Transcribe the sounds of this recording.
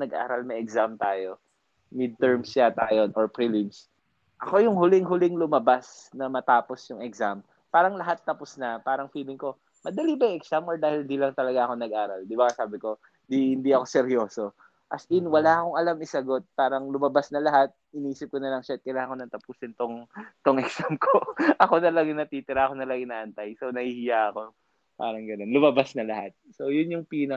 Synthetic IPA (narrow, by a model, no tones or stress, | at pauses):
nɐɡʔa̰ːɾɐlmɐjɛksamt̪aːjo̞ | mid̪̚t̪ɛɹmsːat̪aːjo̞nʔoɹpɾilɪms | ʔɐko̞jʊŋɦʊlɪŋɦʊlɪŋlʊmɐbasnɐmɐt̪aːpo̞sjʊŋɛksam | paːɾɐŋlɐɦat̪ːɐposnɐpaːɾɐŋfiːlɪŋko̞ | mɐd̪ɐlibɐjɛksamoɹd̪aːhɪlnd̪iːlɐŋt̪ɐlɐɡaʔɐko̞nɐɡʔaːɾɐld̪ɪbaŋasaːbɪko̞ | d̪ihɪnd̪iɐko̞sɛɾjoːso | ʔɐsʔɪnwɐlaʔɐkoŋɐlamɪsɐɡo̞t̪̚paːɾɐŋlʊmɐbasnɐlɐɦat̪̚hɪniːsɪp̚konɐlɐŋʃaɐt̪̚kɐjlaːkonɐŋt̪ɐpuːsɪnt̪oŋt̪oŋʔɛksamkʰoʔɐko̞nɐlaɡɪnɐt̪iːt̪ɪɾaʔɐko̞nɐlaɡɪnɐʔɐnt̪ajso̞nɐhiːhɪjaʔɐko̞ | paːɾɐŋɡɐno̞nlʊmɐbasnɐlɐha̰t̪̚so̞jʊnjʊŋpiːnɐ